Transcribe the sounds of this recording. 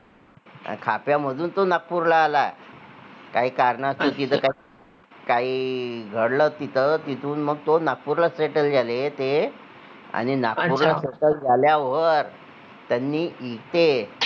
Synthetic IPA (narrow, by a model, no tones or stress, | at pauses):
a̰kʰapjaməd̪ʱuːnt̪onak̚puɾlaːla̰ | kaiːkaɾɳast̪ot̪it̪ʰəka | kaiːɡʱəɽlət̪it̪ʰət̪it̪ʰuːnməɡ̚t̪onak̚puɾlaseʈəld͡zalet̪e | a̰ɽ̃inakpuɾlaseʈəld͡zaljaʋəɾ | t̪janːiːʔikt̪e